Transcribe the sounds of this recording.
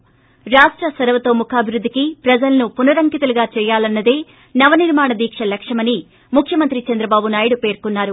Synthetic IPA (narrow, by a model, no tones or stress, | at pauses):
ɾaːʂʈɾɐsɐɾʋɐt̪o̞ːmukʰaːbʱiɾud̪ːikipɾɐd͡ʒɐlɐnupunɐɾɐŋkit̪ɐluɡaːt͡ʃɛːjaːlɐnːɐd̪e̞ː | nɐʋɐniɾmaːɳɐd̪iːkʂɐlɐkʂɐmɐni | mukʰjɐmɐnt̪ɾit͡ʃɐnd̪ɾɐbaːbunaːjiɽupe̞ːɾkunːaːɾu